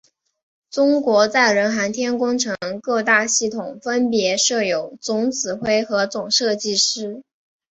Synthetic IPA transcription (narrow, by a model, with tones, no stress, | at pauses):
ʈ͡ʂʊ˥ŋkwɔ˧˥t͡sa˥˩ɪɻə˧˥nxa˧˥nt̪ʰjɛ˥nkʊ˥ŋʈ͡ʂʰɤ˧˥ŋkɤ˥˧t̪a˥˧ɕi˥˩t̪ʰʊ˨˩ŋfə˥npjɛ˧˥ʂɤ˥˩jo˨˩ʊt͡sʊ˧˥ŋt͡sʰɹ̩˨˩xwe˥ɪxɤ˧˥t͡sʊ˨˩ŋʂɤ˥˧t͡ɕi˥˩ʂɻ̩˥